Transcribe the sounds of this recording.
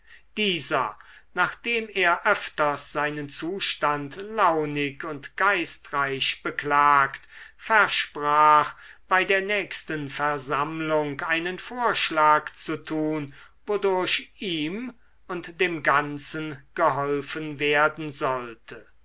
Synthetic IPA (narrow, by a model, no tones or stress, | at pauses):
d̥iːzɐnaːχd̥eːmeːɐʔœftɐsz̥aɪnənt͡suːʃtantlaʊnɪkʊntɡ̥aɪstʁaɪɕb̥əklaːktfɛɐʃpʁaːxb̥aɪdeːɐnɛːkstənfɛɐzamlʊŋkʔaɪnənfoːɐʃlaːkt͡sutʰuːn | vodʊɐʃiːm | ʊntd̥eːmɡant͡sənɡ̥əɦɔlfənveːɐdn̩zɔltʰə